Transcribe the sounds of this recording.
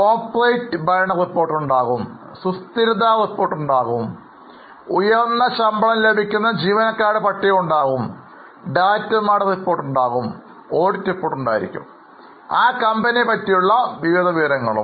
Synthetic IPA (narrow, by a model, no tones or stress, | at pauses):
koːpːlɐjtːɨbɐjɐɳɐripːo̞ːrʈːuɳɖaːɣum | sust̪iɾud̪aːripːo̞ːrʈːuɳɖaːɣum | ujɐrnːɐɕɐmbɐɭɐmle̞bʱikʲːunːɐd͡ʑiːʋɐnɐkːaːɽɨpɐʈːijɐmuɳɖaːɣum | ɖaːtːɐmaːɽɐripːo̞ːrʈːuɳɖaːɣum | oːɽitːripːoːʈːuɳɖa̰ːjiɾḭkʲːṵm | aːkɐmbɐniepɐtːijuɭːɐʋiʋid̪ʱɐʋiʋɐɾɐŋːɐɭṵm